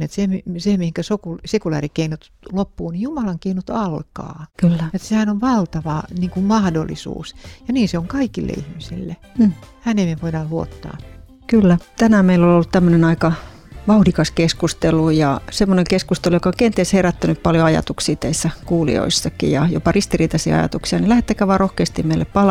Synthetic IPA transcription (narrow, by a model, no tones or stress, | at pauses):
et̪semisemihiŋkæsokulsekulæ̰ːrikeinut̪ | lopːuːnijumɑlɑŋkeinut̪ɑlkɑ̰ːkylːæet̪sehænoʋʋɑlt̪ɑʋɑniːŋkummɑhdo̰lːḭsṵːsjɑniːnseoŋkɑikilːḛḭhmisḭlːe | hænemeʋoidɑːlluo̰t̪ːɑ̰ː | kylːæt̪ænæmeilololːut̪t̪æmːønenɑikɑ | ʋɑuhdikɑskeskust̪elujɑsemːoneŋkeskust̪elujokɑoŋkent̪iesheræt̪ːænyppɑljoɑjɑ̰t̪uksiːt̪eisːækuːlḭo̰isːɑkːḭjɑjo̰pɑrist̪iriːt̪ɑsḭɑ̰jɑ̰t̪uksiɑnilæhet̪ːækæʋɑːrohkeːst̪immeilːeppɑl